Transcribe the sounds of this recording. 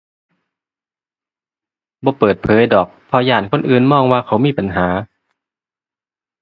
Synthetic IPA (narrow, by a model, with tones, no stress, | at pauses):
bɔː˧˦pɤː˨˩t̪̚pʰɤː˨˦jdɔː˨˩k̚pʰɔ˧jaː˨˩nkʰo˧˥˨nʔɯː˨˩nmɔː˧˥˩ŋwaː˧kʰa˨˥˦wmiː˧˥˨pa˨nɦaː˩˦